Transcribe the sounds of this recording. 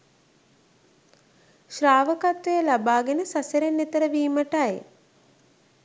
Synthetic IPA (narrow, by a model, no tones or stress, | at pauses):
ʃraːʋəkat̪ʋejəlabaːɡenəsasəɾenːet̪əɾəʋiːməʈaj